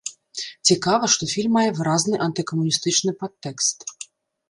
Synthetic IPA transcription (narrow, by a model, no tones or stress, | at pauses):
t͡sʲikavɐʂt̪ɔfʲilʲmːajɛvɨɾaznɨʔɐnt̪ɨkɐmunʲist̪ɨt͡ʂnɨpat̪ːɛkst̪